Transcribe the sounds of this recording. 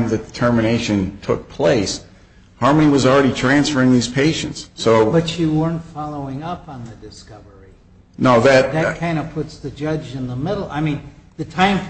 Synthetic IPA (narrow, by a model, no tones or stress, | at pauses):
mðɨdɨtʰɜ˞mɨñeɪʃɨ̃ntʰʊ̰k̚pʰl̥eɪs | hɑɹməñiwʌzl̩ˠɹɛɾitʰɹ̥æ̃nsfə˞ɪ̃ŋðiz̥pʰeɪʃɨ̰̃ntsːoʊb̥ʌt͡ʃɨwɜ̃˞ntfɑlˠoʊɪ̃ŋʌpn̩ðɨdɨskʌvə˞i | noʊðɨt̚ðɨt̚kʰãɪ̃ndʌ̥pʰʊtsðɨd͡ʒʌd͡ʒɨ̃nðəmɪɾl̩ˠa̰ɪmĩnðɨtʰãɪ̃m